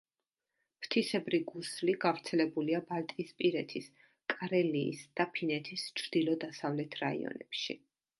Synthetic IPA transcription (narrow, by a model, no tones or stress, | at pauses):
pʰt̪ʰisɛbɾiɡusliɡavɾt̪sʰɛlɛbuliabalt̪ʼispʼiɾɛt̪ʰis | kʼaɾɛlḭːsd̪̥apʰinɛt̪ʰist͡ʃʰɾd̪̥ilˠɔd̪asavlɛt̪ʰɾaḭɔ̰nɛpʃi